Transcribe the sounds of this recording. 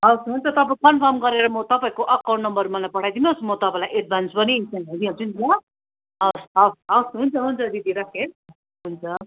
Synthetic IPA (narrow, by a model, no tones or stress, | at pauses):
ɦʌwsɦunt͡sʰʌt̪ʌpaĩkʌnpʰʌrmɡʌɾeɾʌmʌt̪ʌpaĩkoʔʌkawʈnʌmbʌrmʌlajpʌɽ̤ʰajd̪inosmʌt̪ʌpãlajʔeʈ̚bʱansʰpʌnisanɦʌd̪iɦʌt͡sunt̪iʌ | ʌsʌsʌwsɦunt͡sʰʌɦunt͡sʰʌd̪id̪iɾʌkʰeɾʌ | ɦunt͡sʰʌ